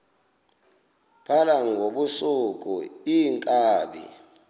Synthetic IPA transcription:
pʰalaŋɡʱoɓusukʼṵiŋkʼaːɓḭ

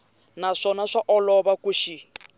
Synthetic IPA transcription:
naʂɔnaʂaʔɔlɔβakuʃi

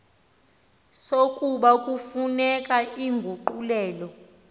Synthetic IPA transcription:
sokʼuɓakʼufunɛkʼaiŋɡʱuǃulɛːlɔ

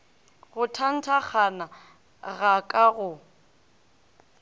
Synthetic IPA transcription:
ɣʊtʰan̩tʰak͡xʰana | ɣakʼaɣʊ

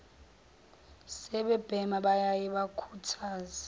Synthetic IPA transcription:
sɛɓɛb̥ʱɛmaɓajajɛɓakʰutʰaːza

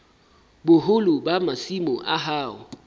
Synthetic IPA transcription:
bʊɦʊlʊbamasimʊʔa̰ɦaːɣʊ

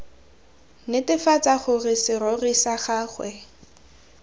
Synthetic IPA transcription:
nɪtɪfat͡saχʊrɪsɪɾorisaχaːχwɛ

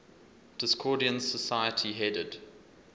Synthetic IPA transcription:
d̥ɪskʰɔːdiə̃nsəsaɪətʰiɦɛdəd̥

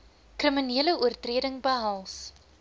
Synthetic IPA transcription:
krəminiələuərtriədəŋbəɦɐlˠs

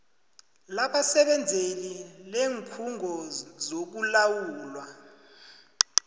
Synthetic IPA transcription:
laɓasɛɓɛnd͡zʱelileːŋkʰuŋʱɔzok̬ulawuːlwa

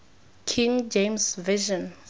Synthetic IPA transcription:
kʰĩŋd͡ʒẽmsviʒɔ̃n

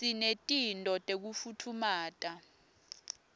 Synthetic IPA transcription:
sinetʼintʼɔtʼek̬ufutʰumaːtʼa

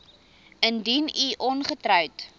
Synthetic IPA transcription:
əndiniʔɔnχətɾœwt

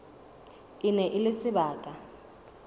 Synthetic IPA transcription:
ɪnɛʔɪlɪsɪbaːkʼa

